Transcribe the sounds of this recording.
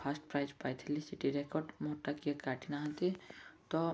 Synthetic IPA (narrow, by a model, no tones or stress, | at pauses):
pʰasʈpɾajzpajt̪ʰilisiʈiɾekɔɾɖmoʈːakiəkaʈinaɦɔ̃t̪it̪ɔ